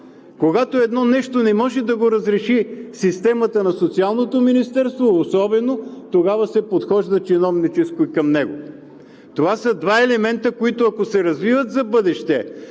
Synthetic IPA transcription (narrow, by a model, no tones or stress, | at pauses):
koɡat̪oɛd̪nɔnɛʃt̪onɛmɔʒɛd̪ɐɡoɾɐzɾɛʃisist̪ɛmɐt̪ənɐsot̪sialˠnot̪ominist̪ɛɾst̪voːsɔbɛnot̪oɡavɐsɛpot̪xɔʒd̪ɐt͡ʃɛnɔvnit͡ʃɛskoikɐmnɛɡo | t̪ovasəd̪vaɛlɛmɛnt̪əkoit̪oɐkosɛɾɐzvivət̪zɐbɤd̪ɛʃt̪ɛ